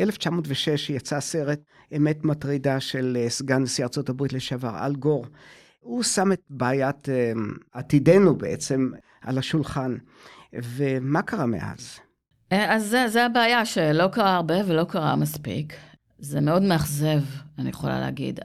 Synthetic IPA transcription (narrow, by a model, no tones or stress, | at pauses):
ʔeleft͡ʃamotveʃeʃjat͡saseʁet | emetmat̪ʁidaʃe̞lsɡanesiaʁt͡so̞tabʁitleʃavaʁa̰lɡoʁ | usametbaːjat̪ | at̪idenubeʔḛt͡se̞m | ʔa̰laʃulχan | vemakaʁamḛʔa̰z | eazːezeabeajaʃelo̞kaʁaːʁbe̞velo̞kaʁa̰maspḭk | zemeo̞dmeaχze̞vanijeχola̰lḛa̰ɡḭd